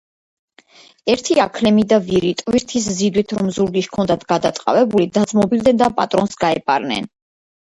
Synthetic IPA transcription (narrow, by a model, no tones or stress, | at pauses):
ɛɾt̪ʰiakʰlɛmid̪aviɾit̪ʼviɾt̪ʰiszid̪wit̪ʰɾɔmzuɾɡiʃkʰɔnd̪at̪ʰɡ̥ad̪at̪sʼqʼa̰vɛbulid̪ad̪zmɔbilˠd̪ɛnd̪apʼat̪ʼɾɔnsɡaɛpʼa̰ɾnɛ̰n